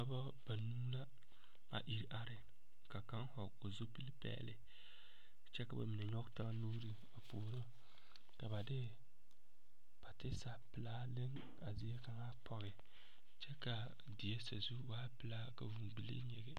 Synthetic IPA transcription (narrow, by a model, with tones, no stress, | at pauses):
a˦ba˦ | b̥a˨nuː˦la˦ | a̰˨ʔi˨ɾi˨ʔa˦ɾɪ˨ | ka˨ka˦ŋ˦hɔ˨ | o˨zo˦pi˦lpɛ̰ː˦lɪ˨ | t͡ʃɛ˦ka˨ba̰˨mi˨ne˨ɲɔ˦ɡta˦nuː˦ɾi˨ | a˨poː˨ɾo˦ | ka˨ba˨dɪ˦ | b̥a˨tɪ˦sa˨pɪ˨laː˦lɪ˦ŋ | a˨zɪ˨˦e˦ka˨ŋa˦pʰɔ˨ɣɪ˨ | t͡ʃɛ˦ka˨ | di˨je˦sa̰˨zu˦waː˦pɪ˨laː˦ka˨vu˨mɡ͡bi˨lḛ˦ɲɛ˨ɡɛ˦